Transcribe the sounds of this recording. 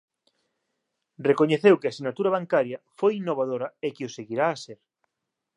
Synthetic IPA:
rekoɲeθewkɪasinat̪uɾɐβ̞aŋkaɾjɐfojinːoβaðoɾɐekɪoseɣiɾaːseɾ

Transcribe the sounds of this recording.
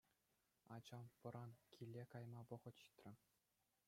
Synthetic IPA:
ɑd͡ʑɑmpɤ̆ɾɑnkʲʰilʲːekɑjmɑʋɤ̆ʁɤ̆t̪ɕi̥t̪ʲrʲɘ̆

